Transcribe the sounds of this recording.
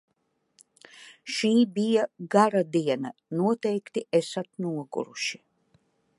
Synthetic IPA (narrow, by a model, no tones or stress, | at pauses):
ʃiːbijaɡaɾad̪iɛnanuɔt̪ɛjkt̪iɛsat̪̚nuɔɡṵɾuʃi̥